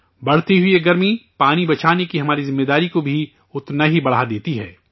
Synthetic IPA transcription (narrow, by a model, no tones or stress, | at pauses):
bɐɽ̤t̪iɦʊieɡɐɾmipaːnibɐt͡ʃʰaːnekiɦɐmaːɾizɪmːeːd̪aːɾikobʱi | ʊt̪naɦibɐɽ̤ad̪eːt̪iɦɛː